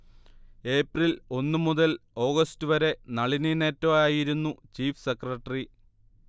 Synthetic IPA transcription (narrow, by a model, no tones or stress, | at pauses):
e̞ːprilo̞nːɨmuðɐlo̞ːɣɐstuʋɐɾe̞nɐɭinine̞ːtːɐaːjiɾunːut͡ɕiːfsekrɐʈːɐri